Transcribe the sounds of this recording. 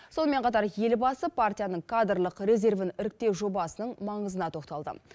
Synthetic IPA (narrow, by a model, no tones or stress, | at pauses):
so̞nəme̞ɴqʰɑt̪ɑɾje̞lbɑsəpʰart̪ʲijanəɴkʰad̪rlˠəqɾe̞ze̞rvɪnɪɾɪk̚t̪e̞ʒo̞bɑsənəɴmɑɴəzənɑt̪ʰo̞qt̪ɑlˠd̪ə̰